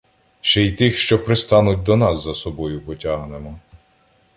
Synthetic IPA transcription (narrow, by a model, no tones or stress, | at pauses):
ʃt͡ʃɛjt̪ɪxʃt͡ʃɔpɾest̪ɑnʊt̚ʲd̪ɔnɑsːɐsɔbɔjʊpɔtʲaɦnemɔ